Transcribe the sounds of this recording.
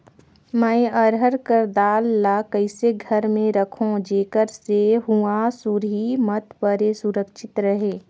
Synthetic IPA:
mɛ̃əɾɦəɾkəɾd̪aːlːakəɪseɡʱəɾmẽɾɐkʰõd͡ʒeːkəɾseɦuasuɾɦimət̪pəɾesʊɾəkʃɪt̪ɾɐɦeː

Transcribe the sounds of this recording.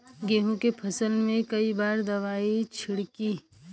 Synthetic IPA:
ɡeːɦũkepʰɐsəlmẽkɐibaːɾd̪ɐʋaːit͡ʃʰɪɽkiː

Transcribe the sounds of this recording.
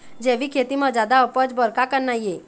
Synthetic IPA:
d͡ʒeːʋikʰet̪imãd͡ʒjaːd̪aʊpəd͡ʒbəɾkakəɾnaije

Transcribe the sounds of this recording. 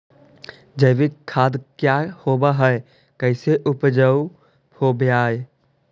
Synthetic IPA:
d͡ʒəjʋɪkʰːaːd̪kjahoːbaɦɛe | kəɪseʔʊpd͡ʒəu | oːbjaːe

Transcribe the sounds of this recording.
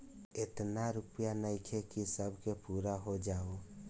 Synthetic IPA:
et̪naɾʊpjanəɪkʰekisəbʱkepuːɾaɦod͡ʒaːo

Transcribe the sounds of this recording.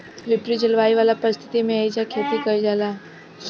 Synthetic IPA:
ʋɪpɾid͡ʑɪlʋaːiʋaːlapəɾɪst̪ʰɪ̥t̪imẽaːid͡ʑakʰeːt̪ikɐid͡ʒaːlaː

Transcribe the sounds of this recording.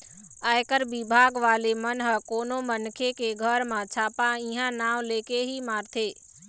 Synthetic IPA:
aːjkəɾʋɪbʱaːɡʋaːlemənɦəkoːnomənkʰekeɡʱəɾmãt͡ɕʰaːpãiɦãnaːʋleːkeɦimaːɾt̪ʰeː

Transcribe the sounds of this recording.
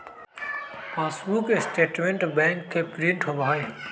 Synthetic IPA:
ãːsuːkɪsʈeːʈmẽɳʈbɛ̃ːŋkʰːeːpɾiɳʈɦobʱaːe

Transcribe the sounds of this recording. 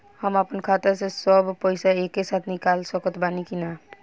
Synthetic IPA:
həmapənkʰat̪əɾsesəbʱpəjsaekːesat̪ʰnikalsəkət̪banikina

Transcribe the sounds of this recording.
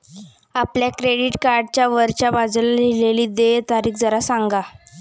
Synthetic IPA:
apljakɾeɽiʈkaɾɖt͡ɕjaʋəɾt͡ɕjabad͡zlalileliːd̪et̪aɾiːkd͡zəɾasaŋɡa

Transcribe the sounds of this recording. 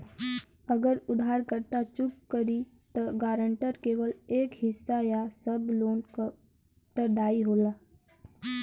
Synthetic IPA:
əɡəɾʊd̪ʱaːɾkəɾt̪at͡ʃʊkːəɾi | t̪ɔɡaːɾəɳʈəɾkeːʋəleːkɦɪsːajasəbloːn | t̪əɾɖaːiɦoːlaː

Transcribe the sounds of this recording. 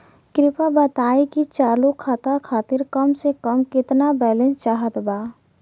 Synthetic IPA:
kɾɪpabət̪aːekit͡ʃaːɾlokʰaːt̪akʰaːt̪ɪɾkəmsekəmkɪt̪nabɛlẽnst͡ʃaːɦət̪baː

